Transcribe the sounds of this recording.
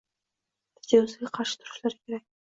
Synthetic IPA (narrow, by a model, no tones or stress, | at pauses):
ɪ̥t̪ʰeʊzeɡʲaqʰɑɾʃɪ̥t̪ʰʊɾʊ̥ʃlaɾɪkʲʰe̞ɾak̚ʲ